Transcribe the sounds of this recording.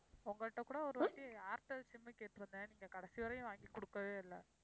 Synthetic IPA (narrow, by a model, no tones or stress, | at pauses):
ʊŋɡɐɭʈːɐkːuːɽɐɔɾɯʋɐʈːiaːɾʈɐsɪmːɐkeːʈːɯɾɯnd̪ɐniːŋɡɐkɐɽɐsiʋɐɾɐjʊ̃ʋaːŋɡikːɔɽɯkːɐʋeːɪlːɐ